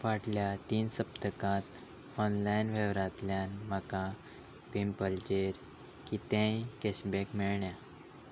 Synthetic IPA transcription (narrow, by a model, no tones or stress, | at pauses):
ʋaʈljat̪iːnsəp̚t̪əkãt̪ | ɔnlajnʋeʋɾãt̪ljanməka | pimpəlt͡ɕeɾ | kit̪ɛ̃ikɛɕbekmiɭɳja